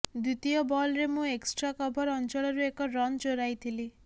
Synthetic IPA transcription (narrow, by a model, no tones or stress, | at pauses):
d̪ut̪iɔbɔlɾemũeksʈɾakɔbʱɔɾɔnt͡ʃɔɭɔɾuekɔɾɔnt͡ʃoɾajt̪ʰili